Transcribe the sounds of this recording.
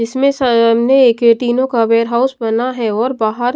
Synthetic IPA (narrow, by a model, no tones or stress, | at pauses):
d͡ʒɪsmẽsɐmneːkeʈiːnõkaʋeːɾɦaːʊsbɐnaɦɛɔːɾbaːɦəɾ